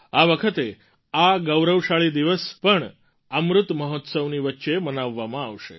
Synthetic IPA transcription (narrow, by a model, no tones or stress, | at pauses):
aʋəkʰət̪e | aɡəwɾəwʂaɭiːd̪iʋəspəɳ | əmɾut̪məɦot̪səʋniːʋətːɕemənaʋːamãːʋʂḛ